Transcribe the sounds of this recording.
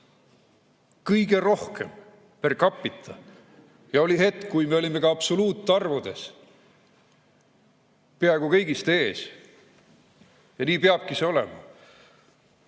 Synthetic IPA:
kɯjɡe̞ɾo̞hkʰḛm | perkɑpːˑit̪ʰːˑɑ | jɑo̞lʲiɦe̞t̪ːˑkujme̞o̞lʲime̞kɑɑpsoluːt̪ːˑɑrvud̪̥e̞s | peɑeɡ̥ukɤjɡist̪e̞ːs | jɑniːpeɑb̥̚kise̞o̞lḛmɑ̰

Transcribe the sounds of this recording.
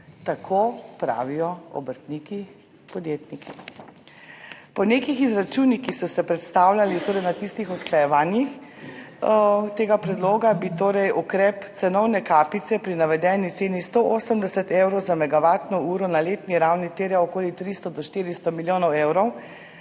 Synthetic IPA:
t̪akʰopɾa̰ːʋijɔɔ̰bəɾt̪niki | pɔd̪jeːt̪nikʰi | pɔnekixizɾat͡ʃuːnikixsɔsɛpɾɛt̪st̪aːwlʲjalit̪oːɾɛjnat̪ist̪ixɔsklajɛʋaːnjix | t̪eːɡapɾɛd̪loːɡabit̪oːɾɛjʔukɾɛpt̪sɛnɔwnɛkaːpit̪sɛpɾinaʋɛd̪ɛːnit̪seːnist̪oʔoːsəmd̪ɛsɛt̪ewɾɔwzamɛɡaʋaːt̪nɔuːɾɔnaleːt̪niɾawnit̪eːɾjaɔkoːlit̪ɾist̪ɔd̪ɔʃt̪iːɾist̪ɔmiljoːnɔwewɾɔw

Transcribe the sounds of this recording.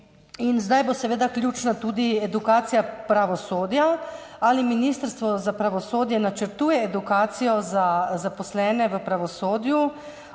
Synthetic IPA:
inzd̪ajbosɛʋeːd̪aklʲjuːt͡ʃnat̪uːd̪iɛd̪ukaːt̪sijapɾaʋɔsoːd̪ja | aliminist̪əɾst̪ʋɔzapɾaʋɔsoːd̪jɛnat͡ʃəɾt̪uːjɛːd̪ukaːt̪sijɔzazapɔslɛːnɛʋəpɾaʋɔsoːd̪ju

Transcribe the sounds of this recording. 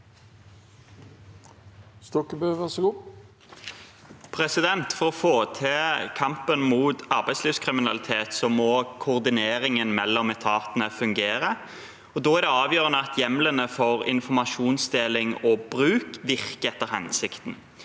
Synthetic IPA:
st̪ɔkəbøːʋæʁsɔɡuː | pʰɾɛsɪd̪ɛnt̪fɔɾɔfoːt̪ʰeːkʰɑmpənmuːt̪ɑɾbæɪsliːʋskʰɾɪmɪnɑlɪt̪ʰeːt̪sɔmɔkʰʊʁd̪ɪneːɾɪŋənmɛlːɔmɛt̪ʰɑːt̪ənəfʉŋɡeːɾə | ɔd̪oːæʁd̪ɛɑːʋjøːɾʁənəɑt̪ʰjɛmlənəfɔʁɪ̰nfɔmɑʃuːnsd̪eːlɪŋɔbɾʉːkʋɪʁkəɛt̪ːəɾhɛnsɪkt̪n̩

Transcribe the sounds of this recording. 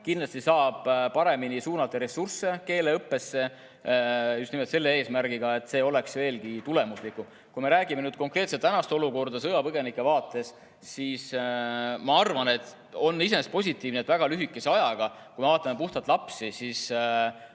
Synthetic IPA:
kinlɑst̪isɑːb̥pɑɾe̞minisuːnɑt̪ːˑeɾe̞sursːe̞ke̞ːleɤpːe̞sːe̞ | just̪imet̪se̞lːe̞e̞ːsmæɾɡ̥iɡ̥ɑe̞t̪ːˑse̞ːo̞le̞ksve̞ːlkit̪ule̞muslikum | kujme̞ɾæːɡime̞nyːd̪̥̚ko̞ŋkre̞ːt̪set̪ːænɑst̪eo̞luko̞rd̪ɑsɤjɑpɤɡe̞nikːˑe̞vɑːt̪ːˑe̞s | sis | mɑɑrvɑne̞t̪ː | o̞nːise̞nespo̞s̬ʲit̪ːˑiːvnet̪væɡ̥ɑlyɦikːˑe̞seɑjɑɡ̥ɑ | kujme̞vɑːt̪ːˑɑmepuht̪ɑt̪ˑlɑpsisis

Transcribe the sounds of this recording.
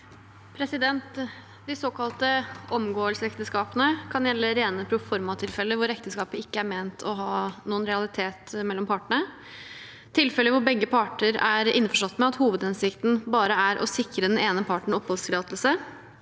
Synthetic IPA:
pʰɾɛsɪd̪ɛnt̪ | d̪ɪsoːkɑlt̪əʔɔmɡoːəlsəɛkt̪əskɑːpənəkʰɑnjɛlːəɾeːnəpʰɾʊfɔɾmɑt̪ʰɪlfɛlːəʋʊɾɛkt̪əskɑːpəɪkːəæɾmeːnt̪ʰɔɦɑːnuːənɾɛɑlɪt̪ʰeːt̪mɛlːɔmpʰɑːʈəɳə | t̪ʰɪlfɛlːəʋʊɾbɛɡːəpʰɑːʈəɾæɾɪ̰nːfɔʂɔt̪ːmɛɑt̪huːʋəd̪ɛnsɪkt̪n̩bɑːɾəæɾʔɔ̰sɪkɾəd̪ɛneːnəpʰɑʈɳ̩ɔpʰhɔlst̪ʰɪlɑːt̪lsə

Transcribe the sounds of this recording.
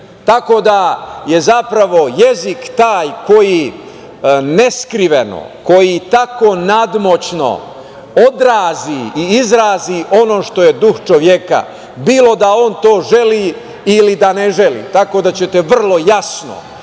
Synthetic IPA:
t̪ako̞d̪aje̞zapɾaʋo̞jezikt̪aːjko̞ji | ne̞skɾiʋeno̰ko̞jit̪ako̞nad̪mo̞t͡ɕno̞̰ | o̞d̪ɾaːziiizɾaːziʔo̞no̞ːʃt̪o̞je̞d̪uxt͡ʃo̞ʋjeka̰ | biːlo̞d̪ao̞nt̪o̞ːʒe̞liː | ilid̪aneʒe̞lḭːt̪ako̞ːd̪at͡ɕe̞t̪eʋr̩lˠo̞jasno̞̰

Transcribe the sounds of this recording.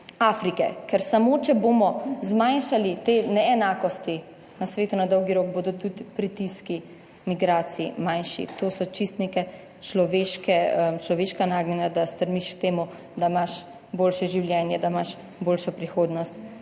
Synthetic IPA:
aːfɾikɛ̰kɛɾsamoːt͡ʃɛboːmɔzmajnʃalit̪enɛɛnaːkɔst̪i | nasʋeːt̪unad̪ɔwɡiɾoːk̚boːd̪ɔt̪ut̪pɾit̪iski | miɡɾaːt̪siimajnʃḭt̪oːsɔt͡ʃist̪nekɛ | t͡ʃlɔʋeːʃkɛmt͡ʃlɔʋeːʃkanaːɡnɛnad̪ast̪əɾmiʃkt̪eːmu | d̪aimaʃ | boːlʃɛʒiwljɛnjɛd̪amaʃ | boːlʃɔpɾixoːd̪nɔst̪

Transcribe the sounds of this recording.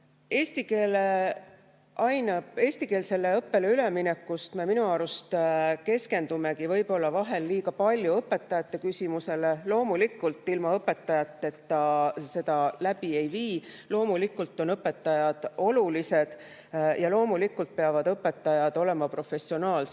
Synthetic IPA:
e̞ːst̪ikeːle | ʔɑjnɑb̥e̞ːsʲt̪ikeːlse̞lːe̞ɤpːe̞le̞ylemine̞kːust̪me̞minuɑːɾust̪ke̞ske̞nd̪umekivɤjb̥o̞lːɑvɑɦe̞lːiːɡ̥ɑpɑlʲjuɤpːˑe̞t̪ːˑɑjɑt̪ːe̞kysimuse̞lelo̞ːmulikːˑult̪ːˑilmɑɤpːe̞t̪ːɑjɑt̪ˑːe̞t̪ːɑse̞d̪̥ɑlæb̥ie̞jviːlo̞ːmulikːˑult̪ːˑo̞nɤpːˑe̞t̪ːˑɑjɑd̪̥o̞lulise̞d̪̥ | jʔɑlo̞ːmulikːult̪̚pe̞ɑvɑd̪ɤpːˑe̞t̪ˑːɑjɑd̪̥o̞le̞mɑpro̞fe̞sio̞nɑːls

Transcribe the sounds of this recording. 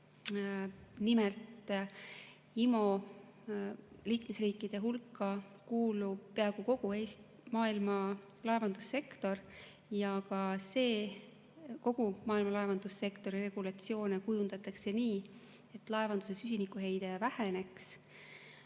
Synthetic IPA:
nimelt̪ˑ | imo̞ | liːkme̞sriːkːˑid̪̥e̞ɦulkːˑɑ | kuːlub̥̚pe̞ɑɡ̥uko̞ɡ̥ue̞ːst̪ | mɑːilmɑ | lɑe̞vɑnd̪̥usːe̞kt̪o̞r | jɑkɑse̞ː | ko̞ɡ̥umɑːilmɑlɑe̞vɑnd̪̥usːe̞kt̪o̞ɾire̞ɡ̥ulɑt̪sio̞ːnekujund̪ɑt̪ːˑɑkse̞niː | e̞t̪ːˑlɑevɑnd̪̥use̞sys̬ʲinikːˑuɦe̞jd̪̥evæhene̞ks

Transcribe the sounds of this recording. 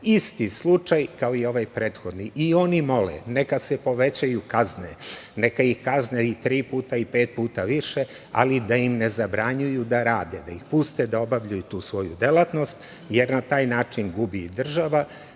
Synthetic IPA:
ist̪islut͡ʂajkaoio̞ʋajpɾeːt̪xo̞d̪niʔio̞ːnimo̞lḛnekasepo̞ʋe̞t͡ɕajukaznenekaixkazneit̪ɾiːpuːt̪aipeːt̪̚puːt̪aʋiʃe | a̰lid̪aimne̞zabɾaɲujud̪aɾaːd̪ed̪aixpust̪ed̪ao̞baʋʎujut̪uːsʋo̞jṵd̪e̞lˠat̪no̞st̪ | je̞ɾnat̪aːjnaːt͡ʂinɡubid̪r̩ʒaʋa

